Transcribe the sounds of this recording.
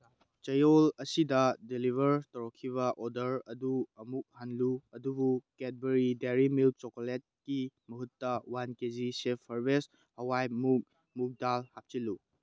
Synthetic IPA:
t͡ʃɐjolɐsidɐdilibʱɐɾtɐɾɔkʰːiβɐʔɔdɐɾɐduɐmuk̚hanluɐdubuket̚beɾideɾimil̚t͡ʃɔkolet̚kimɐɦutːɐwankezisepʰːɐɾbes | hɐwajmu | muk̚dalhap̚t͡ʃilu

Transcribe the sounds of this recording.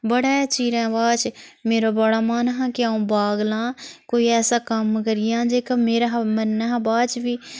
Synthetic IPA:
bəɽet͡ʃiːɾẽbaːt͡ʃmeːɾabɐɽamaːnɦãkeaõbaːɡlãːkoːiɛːsakamkəɾijãːd͡ʒeːkameːɾaɦmɐnːɦãbaːt͡ʃbi

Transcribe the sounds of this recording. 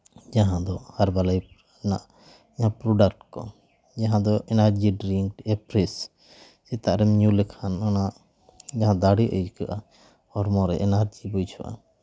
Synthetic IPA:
d͡ʒaɦãd̪ɔhaɾbalaj | naʔ | ɲãpɾɔɖakʈkɔ̰ | d͡ʒaɦãd̪ɔʔɛnaɾd͡ʒiɖɾiŋkʈɛpɾɛs | sit̪aʔɾɛmɲulɛkʰananaʔ | d͡ʒaɦãd̪aɽiʔəd͡ʒkaʔa | hɔɾmɔ̃ɾɛʔɛnaɾd͡ʒibujt͡ʃʰuʔa̰

